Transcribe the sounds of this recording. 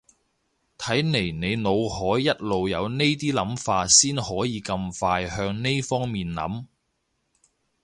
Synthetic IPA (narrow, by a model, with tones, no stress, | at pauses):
t̪ʰɐ˨˥jne˨˩jne˨˧jno˨˧whɔː˨˥jːɐ˥t̚lo˨wjɐ˨˧wne˥jt̪̬iː˥lɐ˨˥mfaː˧t̚siː˥nhɔː˨˥jiː˨˧kɐ˧mfaː˧jhœː˧ŋne˥jfɔː˥ŋmiː˨nlɐ̰˨˥m